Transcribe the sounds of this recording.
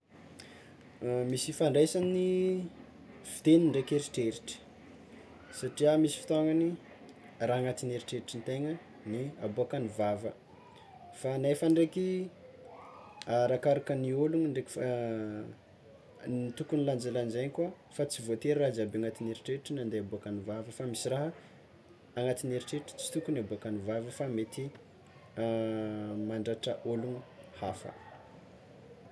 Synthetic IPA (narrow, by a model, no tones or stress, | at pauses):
misifaɳɖ͡ʐejsani | vit̪eniɳɖ͡ʐekeɾiʈ͡ʂeɾiʈ͡ʂə̥ | saʈ͡ʂiamisi̥fi̥t̪aŋɡani | raːŋat̪ineɾiʈ͡ʂeɾiʈ͡ʂint̪eŋə | niaboakanivavə | fanajfaɳɖ͡ʐeki | aɾakaɾakənioluŋiɳɖ͡ʐek | nit̪ukuniland͡ʒaland͡ʒaɲkwa | fat͡sivot̪eɾraɦd͡zabeaŋat̪ineɾiʈ͡ʂeʈ͡ʂinand̪eabuakanivavəfamisiraɦə | aŋat̪ineɾiʈ͡ʂeʈ͡ʂə̥t͡si̥t̪ukuniabuakanivavəfamet̪i | maɳɖ͡ʐaʈ͡ʂəʔoluŋuhafə̰